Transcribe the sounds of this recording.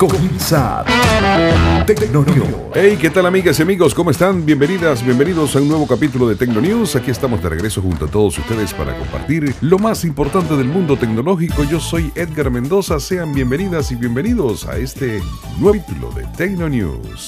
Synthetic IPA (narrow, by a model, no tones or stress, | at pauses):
kominsaɾ | o | ejke̞t̪alamiɣasiamiɣo̞sko̞moest̪anbje̞mbe̞niðasbje̞mbe̞niðo̞saunːwe̞βo̞kapit̪̬ulo̞ðe̞t̪ekno̞njusakiest̪amo̞zd̪e̞reɣɾe̞so̞xunt̪oat̪o̞ðosust̪e̞ðespa̰ɾa̰ko̞mpa̰ɾt̪iɾlo̞masimpo̞ɾt̪ant̪e̞ðelmũnd̪ot̪e̞kno̞lo̞xiko̞ʝo̞so̞jed̪ɡaɾme̞nd̪o̞sase̞ambje̞mbe̞niðasiβje̞mbeniðo̞sa̰e̞st̪e̞ | nwet̪ulo̰ðe̞̰t̪ekno̞njṵ | s